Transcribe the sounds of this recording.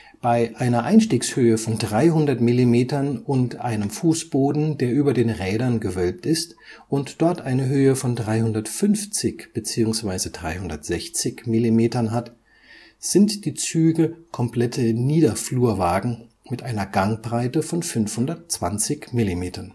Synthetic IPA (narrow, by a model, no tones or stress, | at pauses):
b̥aɪʔaɪnɐʔaɪnʃtiːkshøːəfɔndʁaɪhɦʊndɐtmilimeːtɐnʊntʔa̰ɪnəmfuːsb̥oːdn̩deːɐʔyːbɐdeːnʁɛːdɐnɡəvœlp̚tɪstʔʊntd̥ɔɐtʔaɪnəɦøːəfɔndʁaɪhʊndɐtfʏnft͡sɪçb̥ət͡siːʊŋsv̥aɪzədʁa̰ɪhʊndɐ̰tz̥ɛçt͡sɪçmilimeːtɐnɦat | z̥ɪntd̥iːt͡syːɡəkʰɔmpl̥ɛtʰəniːdɐfluːɐvaːɡŋ̩ | mɪtʔaɪnɐɡaŋbʁaɪtəfɔnfʏnfhʊndɐtt͡sv̥a̰nt͡sɪçmɪlimeːtɐn